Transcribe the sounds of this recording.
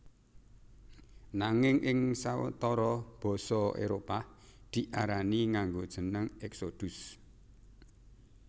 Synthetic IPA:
naŋɪŋʔɪŋsaw̰t̪ɔɾɔb̥ɔ̤sɔḛɾopa | d̪̥iʔaɾaniŋaŋɡod̥ʒ̥ə̤nəŋɛksod̪̥ʊs

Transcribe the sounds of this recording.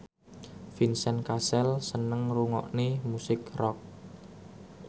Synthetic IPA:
finsɛnkasɛlsənəŋruŋɔ̰ʔnemusɪkrɔk̚

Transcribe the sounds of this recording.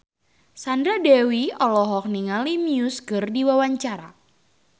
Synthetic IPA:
sandɾadɛwiɔlɔɦɔk̚niŋalimiuskɨrdiwawaɲt͡ʃaɾa

